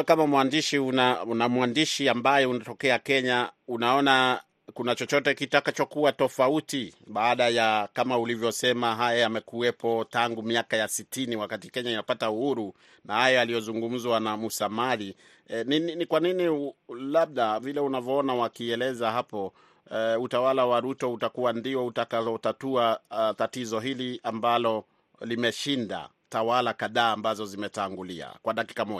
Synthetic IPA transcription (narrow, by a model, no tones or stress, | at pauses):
kamamwandiʃiunanamwandiʃiambajɛunatɔkɛakɛɲaunaɔna | kunat͡ʃɔt͡ʃɔtɛkitakat͡ʃɔkuwatɔfautiɓaːɗajakamaulivjɔsɛmaɦajajamɛkuɛpɔtaŋɡumiakajasitiniwakatikɛɲainapatauhuɾu | nahajɔalijɔzuŋɡum̩zwanamusamali | nininikwaninilaɓ̚ɗavilɛunavjɔɔnawakiɛlɛzaɦapɔ | utawalawaɾutɔutakuwandiɔutakavɔtatuatatizɔɦiliambalɔ | limɛʃinda̰ | tawalakaðaːmbazɔzimɛtaŋɡulia̰kwaɗaki̥kamɔ